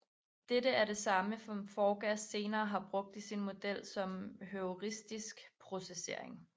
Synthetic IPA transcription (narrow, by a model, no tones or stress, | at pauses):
d̥eɾəæɐɾe̝sɑ̈məmfɒːɡ̥æsːe̝ːnɐːɦɑ̈b̥ʁɔ̽ɡ̥̚d̥isinmo̝d̥el̰sɒ̽mɦøoʁisd̥isɡ̥pʰʁo̝sese̝ɐ̰e̝ŋ